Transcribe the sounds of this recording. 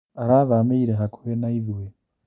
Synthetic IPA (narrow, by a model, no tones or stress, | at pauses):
aɾaðameiɾɛɦakʰuɛnaiðuwɛ